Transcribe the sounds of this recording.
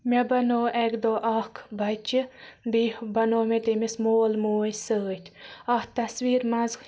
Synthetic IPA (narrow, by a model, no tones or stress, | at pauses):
mʲɐbɐnoːʔɛɡd̪oːʔɐhkʰbɐt͡ʃibihbɐnoːmet̪emismoːlmoːjsəːt̪ʰʲɐht̪ɐsʋiːɾmɐzk